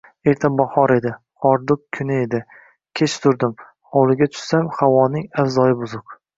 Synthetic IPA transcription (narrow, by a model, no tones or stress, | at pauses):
e̞ɾt̪ʰabɒhɒɾe̞d̪ɪ | ɒɾd̪ʊq̚kʲʰːʊnɪe̞d̪ɪ | kʲʰe̞t͡ʃt̪ʰʊɾd̪ɪm | ɒwlˠɪɡʲat̪ʰʊ̥ʃsamhawɒnɪŋafzɒjɪbʊzʊq